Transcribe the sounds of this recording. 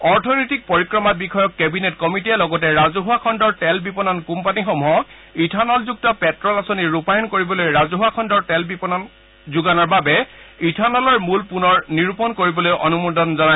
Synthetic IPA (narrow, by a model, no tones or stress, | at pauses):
ɔɹtʰɔnojtik̚poɹikɹɔmat̚bikʰɔjɔkːɛbinetkɔmitijɛlɔɡɔtɛɹazuɦuakʰɔndɔɹtɛlbipɔnɔnkumpanixɔmɦɔ | itʰanɔlzuk̚tɔpɛtɹɔlasoniɹupajɔnkoɹibɔlojɹazuɦuakʰɔndɔɹtɛlbipɔnɔn | zuɡanɔɹbabɛitʰanɔlɔɹmulpunɔɹniɹupɔnkoɹibɔlojʔɔnumudʱɔnzɔna